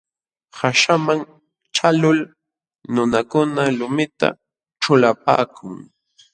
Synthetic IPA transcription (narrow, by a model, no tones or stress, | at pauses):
haʃamaŋ | ʈ͡ʂalʊl | nʊnakʊnalʊmɪt̪a̰ | ʈ͡ʂʊlapa̰ːkʰʊŋ